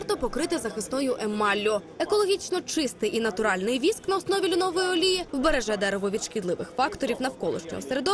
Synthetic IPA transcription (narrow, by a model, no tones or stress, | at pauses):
rt̪ɔpɔkɾɪt̪ɪzɐxɪsnɔjʊʔemɑlʲːʊ | ekɔlˠɔɦʲit͡ʃnɔt͡ʃɪst̪ɪjinɐt̪ʊɾɑlʲnɪjʋʲisknɐɔsnɔʋʲilʲʊnɔʋɔjiɔlʲijiwbeɾeʒɛd̪ɛɾɛʋɔʋʲid̪ʃkʲɪd̪lˠɪʋɪ̰xfɑkt̪ɔɾʲiwnɐwkɔlˠɔ̰ʃt͡ʃɔ̰ɦɔ̰seɾed̪ɔ